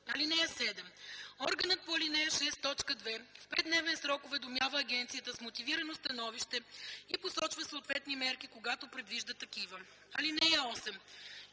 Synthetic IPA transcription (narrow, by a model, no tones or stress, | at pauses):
ɐlinɛjəsɛd̪ɛmɔɾɡənət̪̚poɐlinɛjəʃɛst̪ːɔt͡ʃkəd̪vɛfpɛd̪nɛvɛnsɾɔkʊvɛd̪omjavəːɡɛnt̪sijət̪əsmot̪iviɾɐnost̪ɐnɔviʃt̪ɛiposɔt͡ʃvəsoːt̪vɛt̪nimɛɾkikoɡat̪opɾɛd̪viʒd̪ət̪ɐk̟ivə | ɐlinɛjəɔsɛm